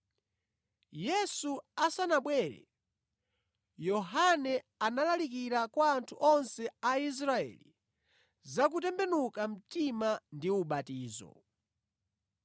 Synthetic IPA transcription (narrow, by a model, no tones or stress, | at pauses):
jɛsuasanaɓwɛːɾɛ̰ | jɔɦanɛanalalik̬iɾakwaːntʰuʔɔnsɛais̬ɾaɛ̰lḭ | zak̬utɛmbɛnukam̩timandiuɓatiːzɔ̰